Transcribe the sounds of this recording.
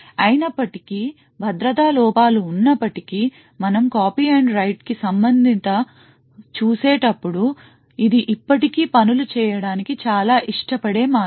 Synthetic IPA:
ɐjinɐpːɐʈikiː | bʱɐd̪ɾɐt̪aːlɔːpaːluːnːɐpːɐʈikiː | mɐnɐmkaːpiːɐɳɖɾɐjʈkisɐmbɐnd̪ʱint̪ɐ | t͡ʃuːseːʈɐpːuɽu | id̪iʔipːɐʈikiːpɐnulut͡ʃɛːjɐɽaːnikit͡ʃaːlaːʔiʂʈɐpɐɽe̞ːmaː

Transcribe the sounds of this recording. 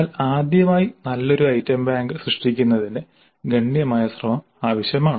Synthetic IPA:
laːd̪jɐmaːjinɐlːo̞ɾuɐjtːɐmbaːŋɡɨsrɨʂʈikʲːunːɐðinɨ | ɡʱɐɳːijɐmaːjɐsrɐmɐm | aːʋɐɕjɐmaːɳ

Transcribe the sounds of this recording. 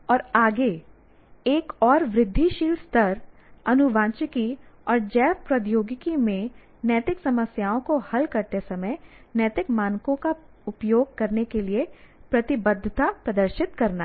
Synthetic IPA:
ɔːɾaːɡe | eːkɔːɾʋɾɪd̪ʱːiʃiːlst̪ʰɐɾ | ɐnʊʋãːt͡ʃɪkiɔːɾd͡ʒɛːʋpɾɐd̪joːɡɪkimẽ | njɛːt̪ɪksɐməsjaːõkohɐlkɐɾt̪esɐməjnjɛːt̪ɪkmaːnkõka | ʊpjoːɡ̚kɐɾnekeliepɾɐt̪ɪbəd̪ʱːət̪apɾɐd̪əɾʃɪt̪kɐɾna

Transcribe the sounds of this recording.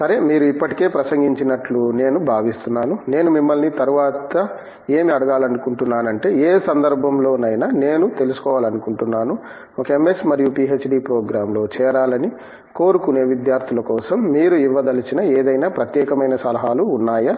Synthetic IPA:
sɐɾemiːɾuipːɐʈike̞ːpɾɐsɐŋɡiɲt͡ʃinɐʈlune̞ːnubʱaːʋist̪unːaːnune̞ːnumimːɐlnit̪ɐɾuʋaːt̪ɐ | e̞ːmiɐɽɐɡaːlɐnukuɳʈunːaːnɐɳʈe̞ːeːsɐnd̪ɐɾbʱɐmlo̞ːnɐjnɐne̞ːnut̪e̞lusu̥kɔːʋaːlɐnukuɳʈunːaːnu | ɔkɐemesmɐɾijuʈiːet͡ʃːɖipɾoːɡɾaːmlo̞ːt͡ʃɛːɾaːlɐni | ko̞ːɾukune̞ːʋid̪jaːɾt̪ʰilɐkɔːsɐmːiːɾuiʋːɐd̪ɐlit͡ʃinɐeːd̪ɐjnaːpɾɐt̪jɛːkɐmɐjnɐsɐlɐɦaːluːnːaːjɐ

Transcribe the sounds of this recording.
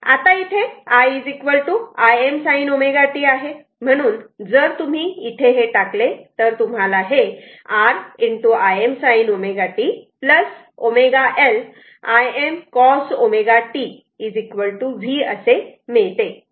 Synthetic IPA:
a̰t̪ait̪ʰeaid͡zikʋəɭʈuajemsainomeɡaʈiːaɦe | m̤əɽ̃uːnd͡zəɾt̪um̤iit̪ʰeɦeʈaklet̪əɾt̪um̤alaɦe | aɾiɳʈuajemsainomeɡaʈipləs | omeɡaʔel | ajemkɔsomeɡaʈiː | d͡zikʋəɭʈuʋʱiːə̰semeɭt̪e

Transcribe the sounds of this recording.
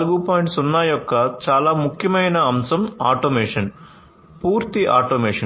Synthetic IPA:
luɡupaːjɳʈsunːaːjɔkːɐt͡ʃaːlaːmukʰjɐmɐjnɐɐmsɐma̰ːʈoːmeːʂɐn | puːɾt̪iʔaːʈoːmeːʂɐn

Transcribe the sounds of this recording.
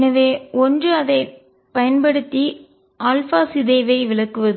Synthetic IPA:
nɐʋeːɔndrɯɐðɐɪ | pɐjɐnbɐɽɯt̪ːi | aːlfaːsɪðeːʋɐɪʋɪɭɐkːɯʋɐðɯ

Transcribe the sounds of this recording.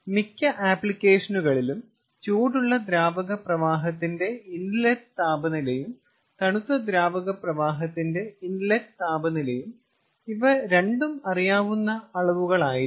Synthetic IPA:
mikʲːɐʔaːplikʲːeːʂɐnuɣɐɭilum | t͡ɕuːɽuɭːɐd̪ɾaːbɐɣɐprɐʋaːɦɐt̪ːinde̞inlett̪aːbɐnilejum | t̪ɐɳut̪ːɐd̪ɾaːbɐɣɐprɐʋaːɦɐt̪ːinde̞indlɐtt̪aːbɐnilejum | iʋɐɾe̞ɳɖumɐrijaːʋunːɐɐɭɐʋuɣɐɭaːji

